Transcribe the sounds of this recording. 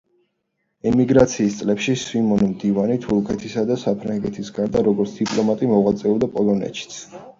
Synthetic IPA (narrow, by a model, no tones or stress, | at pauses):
ɛmiɡɾat̪sʰiːst̪sʼlɛpʃiswimɔnmd̪ivanit̪ʰuɾkʰɛt̪ʰisad̪asapʰɾaŋɡɛt̪ʰisɡaɾd̪aɾɔɡɔɾt̪sʰd̪̥ipʼlˠɔmat̪ʼimɔʁwat̪sʼɛuld̪apʼɔlˠɔnɛ̰tʃʰi̥t̪sʰ